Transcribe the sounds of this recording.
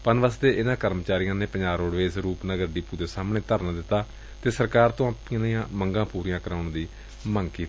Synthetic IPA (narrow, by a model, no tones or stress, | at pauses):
pənʋaːst̪eːʔɪnãːkəɾmt͡ʃaːɾɪjãːnẽːpəɲd͡ʒaːɾoːɽʋeːsɾuːpnaːɡəɾɖiːpuːd̪eːsaːmnẽːt̪əɾnaːd̪ɪt̪ːaː | t̪eːsəɾkaːɾt̪õːaːpːãːməŋɡãːpuːɾijãːkəɾaːʊɳd̪iː | mə̃ŋɡkiːt̪i